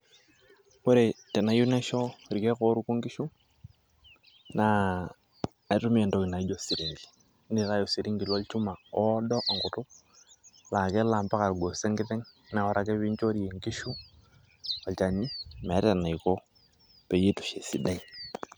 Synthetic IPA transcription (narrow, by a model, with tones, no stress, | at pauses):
ko˦ɾe˨tɛ˨na˨ju˦ne˦ʃɔ˦ɾi˨kɛ˦ko˦ɾu˦ku˦ŋɡi˦ʃu˦ | na˨˦ | tu˦mi˦e˨ndo˦ki˨na˨i˦d͡ʒo˨si˨ɾi˨ŋɡi̥˨˦ | ni˨ɾa˦jo˨si˨ɾi˦ŋɡi˨lo˦lt͡ʃu˦ma˨ɔ˦dɔ˦ʔa˨ŋkʊ˨tʊ˦ | la˨ke˦la˨mpa˦ka˨lɡo˨se˦ŋɡɪ˦tɛ˦ŋ˦ | na˨ɔ˨ɾʔa˦kɛ˦βi˦ɲt͡ʃo˦ɾi˨e˨ŋɡi˦ʃu˦ | a˨lt͡ʃa˨ni˦ma˨˦ɾa˨na˨i˨kɔ˦ | pe˨je˦tʊ̥˨ʃe˨si˨da˦i˨